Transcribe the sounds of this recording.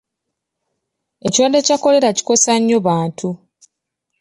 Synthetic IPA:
e̞ciwadːe̞cako̞le̞ɾaci̥ko̞saɲːo̞βaːntʰu

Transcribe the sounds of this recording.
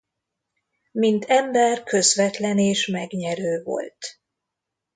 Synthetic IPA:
mint̪ʰɛmbɛrkø̞zvɛt̪lɛneːʃmɛɡɲɛɾøːvo̞̰lt̪

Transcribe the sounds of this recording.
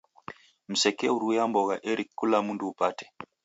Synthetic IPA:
m̩sɛkɛuɾujambɔɣaʔɛɾikkːulamunduːpatɛ̥

